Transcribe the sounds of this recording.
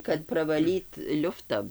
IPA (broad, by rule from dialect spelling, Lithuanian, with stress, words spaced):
kɐt prɐʋɐˈlʲiːt ˈlʲʊftɐ